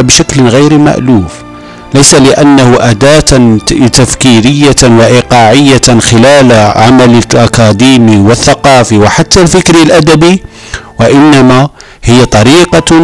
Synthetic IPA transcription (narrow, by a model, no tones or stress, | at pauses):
bʃæklɣæjɾma̰ʔluːf | læjsalɪʔænːahʊʔæd̪æt̪t̪æfkiɾəjːawaʔiqɑʕəjːaxəlælʕamælʔakæd̪imiwəθːɑqɑfiwəħat̪ːælfɪkɾilʔæd̪æbi | wæʔɪnːæma | həjːat̪ˤɑɾiqɑ